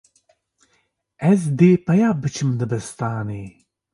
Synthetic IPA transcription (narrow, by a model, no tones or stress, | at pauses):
ɛzd̪eːpɐjaːbɨt͡ʃʰɨmd̪ɨbɛst̪aːneː